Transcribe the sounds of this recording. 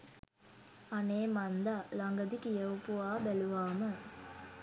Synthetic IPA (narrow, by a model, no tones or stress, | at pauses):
aneːmand̪alaŋɡəd̪ikijəwpuaːbæluʋaːmə